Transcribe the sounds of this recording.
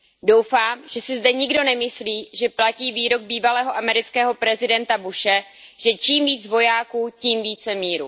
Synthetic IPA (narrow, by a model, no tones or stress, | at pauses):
do̞wfaːmʒ̥ɛsɪzdɛɲɪɡdo̞nɛmɪsliːʒɛplaciːviːɾo̞ɡ̚biːvalɛːɦo̞ʔamɛɾɪt͡skɛːɦo̞pɾɛzɪdɛnt̪abuʃɛ | ʒ̥ɛt͡ʃiːmviːd͡zvo̞jaːkuːciːmviːt͡sɛmiːɾṵ